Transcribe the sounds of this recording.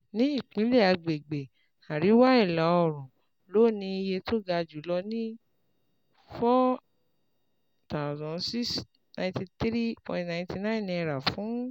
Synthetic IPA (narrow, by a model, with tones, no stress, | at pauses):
nĩ˦i˦˨k͡pĩ˨˦le˦˨a˧ɡ͡be˨ɡ͡be˨ | a˨ɾi˨˦wa˦i˦˨la˨˦ɔ˦˨ɾ̃ũ˨ | lo˦˨nĩ˧i˧je˧to˦ɡa˧d͡ʒu˨˦lɔ˧nĩ˦ | fɔ˦ | ta˦˨zɔ̃˨nsi˦s | nã˧j̃ti˧t̪ɾi˦pɔ̰̃˧˨nã˨ĩ˧˦ti˧nã˦˨nĩ˧ɛ˧ɾa˨fũ˨˦